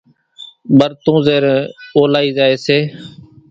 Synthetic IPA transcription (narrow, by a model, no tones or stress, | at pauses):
ɓəɾt̪õːzeːɾẽːoːlaːiːzaːeːseː